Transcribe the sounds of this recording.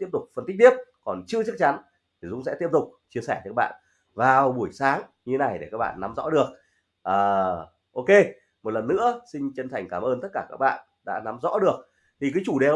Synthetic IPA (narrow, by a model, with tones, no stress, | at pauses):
t̪i˦˥əp̚t̪ʊ˨˩k͡p̚fə˨˩nt̪k̚t̪i˦˥əp̚kɔ˨˩nt͡ɕɨ˧ət͡ɕɨ˦˥k̚t͡ɕa˨˦n | t̪ʰi˨˩zʊ̰˧˥ŋ͡msɛ̰˧˥t̪i˦˥əp̚t̪ʊ˨˩k͡p̚t͡ɕi˧əsɛ˧˩nɨ̰ː˨˦˥k̚ɓa̰ː˧˨n | vaː˨˩wɓu˧˩əjsaː˨˦ŋɲɨ˧e˦na˨˩jɗe˧˩kaː˦˥k̚ɓa̰ː˧˨nːa˨˦mzɔ̰˧˥ɗɨ˨˩ək̚ | ʔəː˨˩ | ʔo˧ke˧ | mo˨˩t̚lə˨˩nːɨ̰˧˥əsï˧ŋ̟t͡ɕə˧nt̪ʰa˨˩jŋ̟kaː˧˩mʔəː˧nt̪ə˦˥t̚kaː˧˩kaː˦˥k̚ɓa̰ː˧˨n | ɗa̰ː˧˥na˨˦mzɔ̰˧˥ɗɨ˨˩ək̚ | t̪ʰi˨˩k̬ɨ˨˦t͡ɕu˧˩ɗe˨